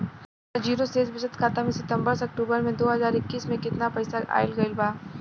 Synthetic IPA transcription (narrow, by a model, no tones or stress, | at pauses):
ɾd͡ʒiːɾoseːzbɪsət̪kʰaːt̪amẽsɪt̪ə̃mbəɾsɐk̚ʈuːbəɾmẽd̪oːɦɐzaːɾɪkːiːsmẽkɪt̪napɐɪsaa̰ːɪlɡɐɪlbaː